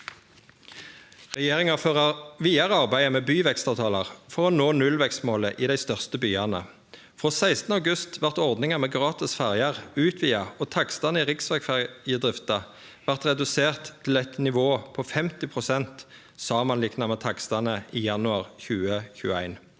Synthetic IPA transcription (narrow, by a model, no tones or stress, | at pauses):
ʁɛjeːʁɪŋɑføːʁɑʁʋiːɑʁəɑʁbæɪəmeːbyːʋɛkst̪ɑːʋt̪ʰɑːlɑʁfɔʁɔnoːnʉlʋɛkst̪moːləʔiːd̪æɪst̪œʁst̪əbyːɑnə̰ | fʁoːsæɪst̪nəɑʊɡʉst̪ʋæʁt̪ɔʁd̪nɪŋəmeːɡʁɑːt̪ɪsfæʁjɑʁʉːt̪ʰʋiːɑoːt̪ʰɑkst̪ɑnəiʁɪksʋɛkfæʁjəd̪ʁɪft̪ɑ | ʋæʁt̪ʁɛd̪ʉseːʁt̪ʰːɪlɛt̪nɪʋoːpʰɔːfɛmt̪ɪpʰʁʊsɛnt̪ | sɑːmɑnlɪknɑmɛt̪ʰɑkst̪ɑnəʔiːjɑnʉɑːʁçʉːəçʉ̰ːəæ̰ɪn